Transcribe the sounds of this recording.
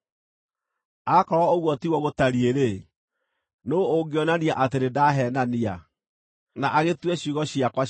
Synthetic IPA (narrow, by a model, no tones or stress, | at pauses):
akɔɾɔoɣwɔtiɣwɔɣotaɾieɾe | noːɡeɔnaniaʔateɾedaɦɛːnania | naʔaɣetwɛɕiɣɔɕiakwa